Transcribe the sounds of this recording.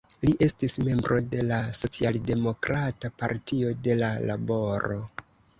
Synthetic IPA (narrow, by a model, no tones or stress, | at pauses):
liʔe̞stisme̞mbɾʔo̞de̞laso̞t͡sialde̞mo̞kɾatapaɾtio̞de̞lala̰bo̞ɾo̞